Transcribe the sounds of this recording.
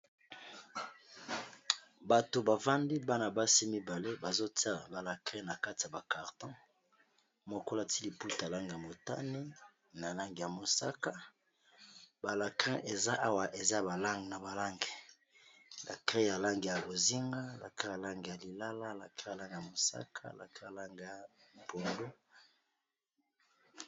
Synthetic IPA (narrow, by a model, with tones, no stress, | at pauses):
ba˨to˨ba˨va˦ndi˦ba˦na˨ba˦si˦mi˦ba˨le˦ba˨zo˦ti˦a˦˨ba˨la˨kʁɛ̃˦na˨ka˦ti˨ja˨ba˨ka˨ʁtɔ̃˦ | mo˨ko˦la˦ti˦li˨pu˦ta˨la˦ŋɡe˨ja˨mo˨ta̰˦ne˦ | na˨la˦ŋɡe˨ja˨mo˨sa̰˦ka˦ | ba˨la˨kʁɛ̃˦ʔe˨za˦ʔa˦wa˨ʔe˨za˦ba˨la˦ŋɡna˨ba˨la˦ŋɡe˨ | la̰˨kʁɛ̃˦ja˨la˦ŋɡe˨ja˨ɡo˨zi˦ŋɡa˦la̰˨kɛ˦ja˨la˦ŋɡe˨ja˨li˨la˦la˦la˨kɛ˦ja˨la˦ŋɡe˨ja˨mo˨sa̰˦kʰa̰˦la̰˨ka˦a˨la˦ŋɡe˨ja˨po˨ndo˦